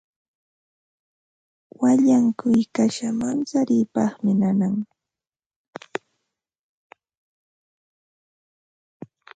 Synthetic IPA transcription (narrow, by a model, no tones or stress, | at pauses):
waʎaŋkʊjkaʃamant͡saɾɪjpɑχmɪnanaŋ